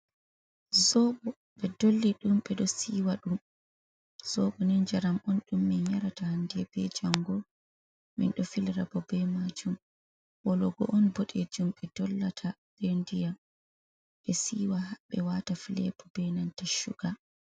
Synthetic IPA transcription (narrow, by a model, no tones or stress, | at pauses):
zɔbɔ | ɓɛdolːiɗumɓɛɗɔsiːwaɗum | z̥ɔɓɔnɛnd͡ʒaɾamɔnɗumːinjaɾatahandiɛbɛd͡ʒaŋɡɔ | mḭnɗɔfilɾabɔbɛmad͡ʒum | wɔlɔɡɔ̰ʔɔnboɗed͡ʒumɓɛdɔlːatʰaɗendija | ɓɛsiːwahaɓɛwatafilɛ̰bɔbɛnantaʃṵɡa